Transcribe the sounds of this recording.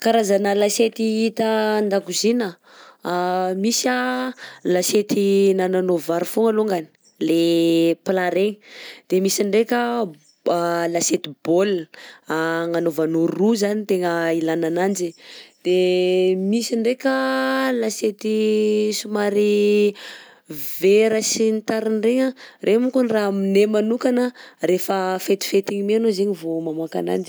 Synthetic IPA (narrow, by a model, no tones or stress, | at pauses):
kaɾazanəlaset̪iit̪ənd̪akuzinə | misə | laset̪inananovaɾufoŋaloŋɡani̥ | leplaɾeŋd̪̥emisiɳɖ͡ʐekʲə | laset̪ib̥ol | ŋanovanoruzanit̪eŋəilananand͡ʒid̪̥emisiɳɖ͡ʐekʲəlaset̪isumaɾi | veɾəsint̪aɾinreŋərʔemukunraɦminemanukanərefəfet̪i̥fet̪iŋimeanozeɲivomamaka̰na̰nd͡ʒi